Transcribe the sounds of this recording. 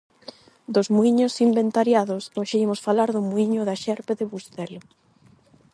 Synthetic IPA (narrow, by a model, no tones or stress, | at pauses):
d̪ʊzmuiɲʊsimbent̪aɾjaðosoʃeimosfalaɾðʊmuiɲʊðaʃɛɾpeðɪβust̪ɛlʊ